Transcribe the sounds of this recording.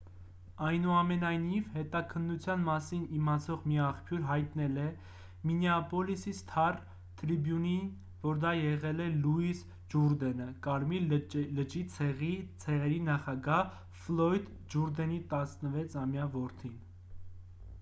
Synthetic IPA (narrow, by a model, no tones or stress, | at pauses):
ɑjnuɑmɛnɑjnivhɛt̪ɑkʰənːut͡sʰjɑnmɑsinimɑt͡sʰɔʁmiɑχpʰjuɾɦɑjt̪nɛlɛ | minɛɑpɔlisist̪ʰɑr | t̪ʰɾibjunin | vɔɾd̪ɑjɛʁɛlɛluis | d͡ʒuɾd̪ɛnəkɑɾmiləd͡ʒit͡sʰɛʁit͡sʰɛʁɛɾinɑχɑɡɑh | flɔjd̪ | d͡ʒuɾd̪ɛnit̪ɑsnəvɛt͡sʰɑmjɑvɔɾt̪ʰin